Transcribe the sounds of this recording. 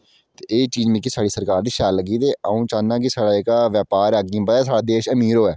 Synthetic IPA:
t̪eːeːt͡ʃiːd͡ʒmĩːkiːsaːɽiːsəɾkaːɾd̪iːʃaːlːəɡiːd̪eːaːũːt͡ʃãːnãːk̬ɪsaːɽaːɪkaːʋjɛːpaːɾɛːəɡĩːbəɛːs̬aːɽaːd̪eːʃəmiːɾoːɛː

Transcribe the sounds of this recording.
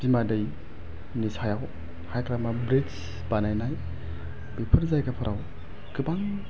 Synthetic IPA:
b̥imadɯj | nisajaw | hajkɾamabɾis | b̥anajnaj | bipʰɯɾzajɡapʰɯɾʔaw | ɡ̥ɯbaŋ

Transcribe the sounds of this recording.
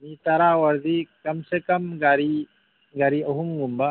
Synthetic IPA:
nit̪ɐɾaːwɐɾd̪ikɐmsekɐmɡaɾi | ɡaɾiɐɦumɡumba

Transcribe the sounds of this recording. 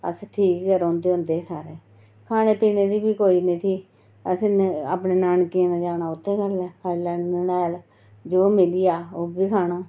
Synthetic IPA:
ə̰sʈʰiːkd͡ʒəɾoːnd̪eːʊ̃nd̪eːsaːɾeː | kʰaːñeːpiːneːd̪iːbiːkoːinẽːt̪ʰiː | əsĩːa̰ːpneːnaːɳkiẽːnãːd͡ʒaːnaːʊt̪ʰːẽːɡəlɛːəlɛːnənɛːl | d͡ʒoːmɪlijaːoːbiːkʰaːnaː

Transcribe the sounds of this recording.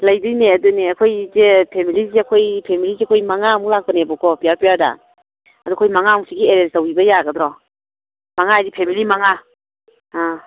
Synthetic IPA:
lajdijneɐduneɐkʰojzepʰemiliziɐkʰojpʰemiliziɐkʰojmaŋamulak̚pɐnebɔkɔpijapijada̰n | ɐdukʰojmaŋamsiɡieɾensawibɐjaɡɐdɾɔ | maŋaajdipʰemilimaŋa | a

